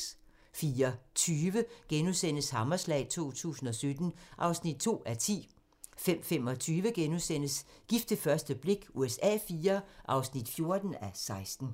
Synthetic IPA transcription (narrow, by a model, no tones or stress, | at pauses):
fiːɐt͡sʰyːʋəɡ̥enusen̰əshɑ̈mɐslɛ̰ɪt͡sʰo̝̰ːt͡sʰṵːsn̩ɒ̽sød̥n̩ʔɑ̈ʊsnid̥̚t͡sʰo̝̰ːæt͡sʰḭː | fem̰fem̰ɒ̽t͡sʰyːʋəɡ̥enusenəsɡ̥ifd̥əfɶɐsd̥əb̥le̝ɡ̥uesɛ̰ːfiːɐʔɑ̈ʊsnid̥fjo̝ɐd̥n̩æsɑ̈ɪsd̥n̩